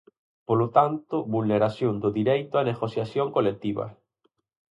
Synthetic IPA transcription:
polot̪ant̪ʊβulneɾasjond̪ʊðiɾejt̪ʊaneɣosjasjoŋkolek̚t̪iβa̰

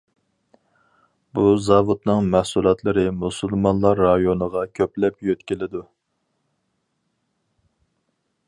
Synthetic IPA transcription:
buzɑvud̪nɨŋmæhsulˠɑt̪lˠɨɾɨmusulˠmɑnlˠɑɾːɑjonəʁɑkʲʰøplɛpjøt̪kʲilɪd̪u

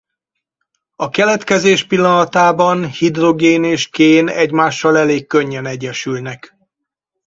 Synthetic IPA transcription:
ɒkɛlɛt̪kɛzeːʃpilːɒnɒt̪aːbɒnhid̪ro̞ɡeːneːʃkeːnɛɟmaːʃːɒlɛleːkːøɲːɛnɛɟːɛʃylnɛk

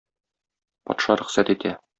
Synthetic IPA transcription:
pɒ̰t̪ʃɑɾɵ̆χsæt̪it̪ʰæ

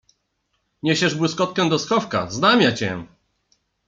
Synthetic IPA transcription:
ɲeɕɛʐbwɘskɔt̪̚kɛ̃d̪ɔskɔfka̰znamʲjat͡ɕɛ̰

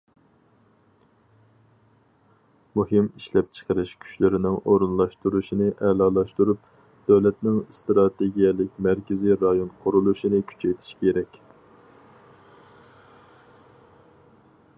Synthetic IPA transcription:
muhɪmiʃlɛp̚t͡ʃʰə̥qəɾɨʃkʲʰy̥ʃlɪɾɪnɪŋʔoɾunlˠɑʃt̪uɾuʃinɪʔɛlɑlˠɑʃt̪uɾup̚ | d̪̥øwlɛt̪nɪŋst̪ɾɑt̪ʰeɡʲijɛlɪk̚ʲmæɾkʲɪziɾɑjonqʰʊɾulˠuʃinɪkʲʰy̥t͡ʃʰɛjt̪ʰi̥ʃkʲʰeɾɛkʲ

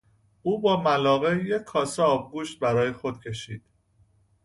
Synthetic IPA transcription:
ʔuːbɒːmælɒːɣejecʰːɒːseɒːbɡuːʃt̪̚bæɾɒːjexo̞d̪̥̚cʰe̞ʃiːd̪̥

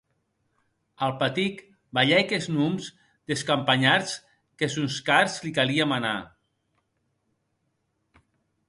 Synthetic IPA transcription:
alˠpat̪ik | baʎɛjkeznumz | d̪eskampaɲaɾs | kezunskaɾzlikaliamana̰

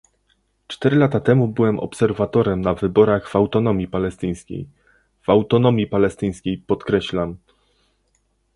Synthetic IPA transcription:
t͡ʂt̪ɛɾɘlat̪at̪ɛmubɘwɛmʔɔ̰psɛɾvat̪ɔɾɛmnavɘbɔɾaɣv̥awt̪ɔnɔmʲjipalɛst̪ɘj̃skʲḛj | v̥awt̪ɔnɔmʲjipalɛst̪ɘj̃skʲejpɔt̪kɾɛɕlam

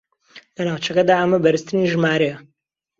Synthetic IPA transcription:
lɐnaːwt͡ʃɐkɐd̪aːɐmɐbɐɾɨst̪ɨniʒɨmaːɾɛjɐ

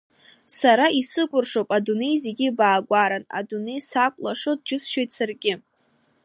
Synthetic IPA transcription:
saɾaisɨkʷʼʊrʂowpʼadune̞jzeɡʲɪbaːɡʷaɾana̰dune̞jsakʷʼlaʂodd͡ʒɪsʃojtʼsarɡʲɪ

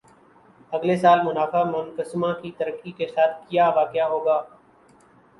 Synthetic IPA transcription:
ɐɡlesaːlmʊnaːfaːmənkəsmãkit̪əɾəkːikesaːt̪̚ʰkijaːʋaːkɪjaɦoːɡaː

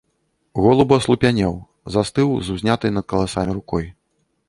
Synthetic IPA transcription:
ɣɔlˠɐbɐslˠupʲanʲɛw | zast̪ɨwzuzʲnʲat̪ɨjnɐt̪̚kɐlˠasamʲiɾukɔj

